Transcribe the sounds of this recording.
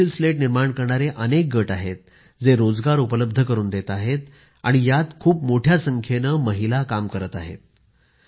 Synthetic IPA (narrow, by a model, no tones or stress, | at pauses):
ilsleʈniɾmaɳkəɾɳaɾeʔənek̚ɡəʈaɦet̪̚ | d͡zeɾod͡zɡaɾupələb̚d̪ʱəkəɾuːnd̪et̪aɦet̪̚ | a̰ɽ̃ijat̪kʰuːpmoʈʰjasəŋkʰjenəːməɦilakamkəɾət̪aɦḛt̪̚